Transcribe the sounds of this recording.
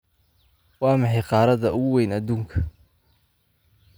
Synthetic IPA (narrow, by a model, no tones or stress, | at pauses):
wɑːmɑħɑjqɑːɾɐðɐʊɣʊwɛjnɐd̪uːŋkʰɐ̥